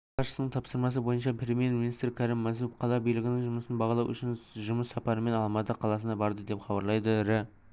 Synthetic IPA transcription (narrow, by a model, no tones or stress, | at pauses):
qɑʃəsənəɴt̪ʰɑpsəɾmɑs̬əbo̞jənʃɑpre̞mijerminist̪ɾɪkʲʰæɾɪmːæzupqʰɑlˠɑbijlɪɡʲɪnɪŋʒʊməsənbɑʁɑlˠɑwʔʏ̰ʃɪnʒʊməsːɑpɑɾəme̞nɑlˠmɑt̪əqʰɑlˠɑsənɑbɑɾd̪əd̪e̞pχɑbɑɾlˠɑjd̪əɾɪ